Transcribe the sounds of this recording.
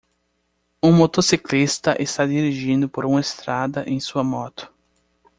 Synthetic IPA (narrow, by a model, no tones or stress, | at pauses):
ũmot̪osiklist̪ɐʔest̪ad̪iɾiʒĩnd̪ʊpoɾũɐest̪ɾad̪ɐʔẽj̃suɐmɔt̪ʊ̥